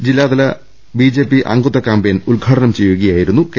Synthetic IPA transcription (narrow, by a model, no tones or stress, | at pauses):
d͡ʑilːaːd̪ɐlɐ | bid͡ʑe̞ːpːiʔɐ̰ŋɡut̪ːɐkːambejnulɡʱaːʈɐɳɐmt͡ɕe̞juɣɐjaːjiɾunːuk